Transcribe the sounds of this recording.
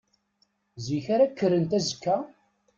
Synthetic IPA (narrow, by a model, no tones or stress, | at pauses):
ziçaɾakːəɾənt̪æzəkːæ